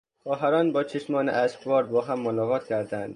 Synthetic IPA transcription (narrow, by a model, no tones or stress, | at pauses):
xɒːɦæɾɒːnbɒːt͡ʃʰeʃmɒːnḛʔæʃkvɒːɾbɒːɦæmːonɒːɣɒːt̪cʲʰæɾd̪ænd̪̥